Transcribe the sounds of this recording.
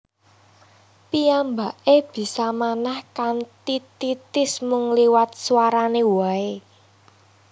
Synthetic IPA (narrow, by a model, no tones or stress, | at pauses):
pijambaʔeb̥i̤samanahkant̪it̪it̪ɪsmʊŋliwat̪̚swaɾanewae